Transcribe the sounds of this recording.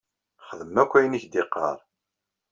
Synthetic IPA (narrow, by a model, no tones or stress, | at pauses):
χəðəmːækʷːæjəniçd̪ɪqːɑ̰ɾˤ